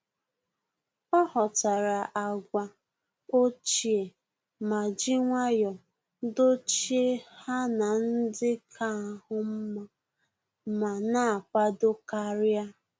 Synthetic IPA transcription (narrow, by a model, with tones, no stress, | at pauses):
ɔ˦hɔ˨ta˨ɾa˨ʔa˨ɡʷa˨ | o˦t͡ʃi˨e˨ | ma˨d͡ʒɪ˦ŋʷa˦jɔ˨ | do˦t͡ʃi˦e˦ha˦na˨n̩˦dɪ˦kʰa˦˨hʊ˦m̩˦ma˦ | ma˨na˦a˨pa˦do˦ka˦ɾja˦